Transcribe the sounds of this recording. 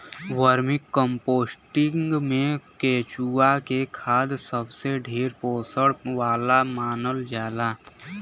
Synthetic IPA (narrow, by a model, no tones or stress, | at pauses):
wəɾmɪkːə̃mpoːsʈɪ̃ŋɡmẽkeːt͡ʃuakekʰaːd̪səbseɖʱeːɾpoːsəɽʋaːlamaːnəld͡ʒaːlaː